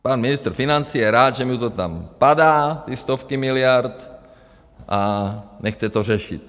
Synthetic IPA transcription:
paːnminist̪rfinant͡siːjɛɾaːd̪ʒɛmut̪ɔt̪ampad̪aːt̪iːst̪ɔfkimilɪaɾt̪ | ʔanɛxt͡sɛt̪ɔrɛʃḭt̪

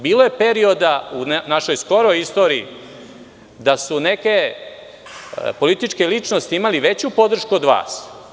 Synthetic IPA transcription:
biːloje̞pe̞ɾio̞d̪aunnaʃo̞jsko̞ɾojist̪o̞ːɾiḭ | d̪asune̞ke̞ | po̞lit̪it͡ʃke̞lit͡ʂno̞st̪iimaliʋe̞t͡ɕupo̞d̪r̩ʃkuod̪ʋa̰ːs

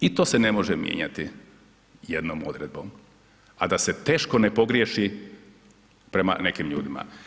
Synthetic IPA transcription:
it̪o̞ːse̞nemo̞ʒemjḛɲa̰t̪i | jed̪noːmod̪ɾe̞d̪̚bo̞m | ad̪ase̞t̪eːʃko̞nepo̞ɡɾjeʃi | pɾe̞ma̰ne̞kimʎṵːd̪ima̰

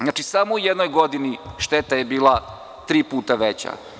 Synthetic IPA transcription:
zaːt͡ʃisamoujɛd̪nojɡod̪iniʃt̪et̪ajebiːlˠa | t̪ɾiːpuːt̪aʋet͡ɕa̰

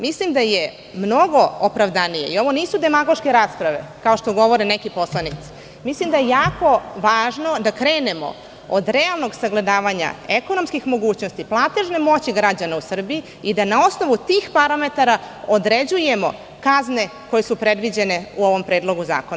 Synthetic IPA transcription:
mislimd̪aje | mno̞ɡo̞opɾaʋd̪anije̞ioʋo̞niːsud̪e̞maɡo̞ʃke̞ɾaːspɾaʋe̞̰kao̞ʃt̪oɡo̞ʋo̞ɾenekipo̞slˠanit̪si̥ | mislimd̪ajejaːko̞ʋaːʒno̞d̪akɾe̞ːne̞mo̞̰ | od̪ɾe̞alˠno̞ɡsaɡle̞d̪aːʋaɲa̰eko̞no̞mskixmo̞ɡuːt͡ɕno̞st̪iplˠaːt̪e̞ʒnemo̞t͡ɕiɡɾad͡ʑanausr̩bii | id̪anao̞sno̞ʋut̪iːxpaɾame̞t̪aɾa | od̪ɾe̞d͡ʑuje̞mo̞̰ | kazne̞ko̞je̞supɾe̞d̪ʋid͡ʑe̞ne̞uo̞ʋo̞mpɾeːd̪lˠo̞ɡuza̰ːkon

